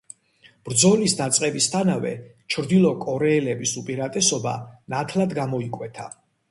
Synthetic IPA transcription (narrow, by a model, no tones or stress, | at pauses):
b̥ɾd̪zɔlisd̪at̪sʼqʼɛbist̪ʰanavɛ̰t͡ʃʰɾd̪ilˠɔkʼɔɾɛːlɛbisupʼiɾat̪ʼɛsɔba̰nat̪ʰlad̪ɡamɔikʼwɛt̪ʰa̰